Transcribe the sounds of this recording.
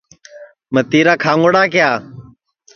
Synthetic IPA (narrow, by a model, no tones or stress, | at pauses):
mət̪iːɾaːkʰaːŋoɽaːkɪjaː